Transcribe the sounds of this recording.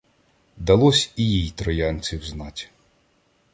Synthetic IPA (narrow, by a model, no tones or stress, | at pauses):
d̪ɐlˠɔsʲijijt̪ɾɔjɑnʲt͡sʲiwznɑtʲ